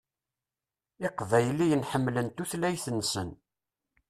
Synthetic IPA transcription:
ɪqvæjlːijənħəmːlənt̪uθlæjθənːsən

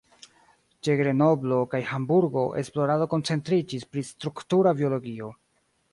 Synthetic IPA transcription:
t͡ʃe̞ɡɾe̞no̞blo̞kajhambuɾɡo̞ʔe̞̰splo̞ɾado̞ko̞nt͡se̞ntɾid͡ʒispɾistɾuktuɾabio̞lo̞ɡio̞

